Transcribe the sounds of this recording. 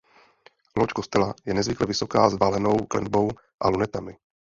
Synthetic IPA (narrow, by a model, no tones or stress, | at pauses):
lot͡ʃkost̪ɛlajɛnɛzvɪklɛvɪso̞kaːzvalɛno̞wklɛ̰nbo̞w | ʔalunɛt̪amɪ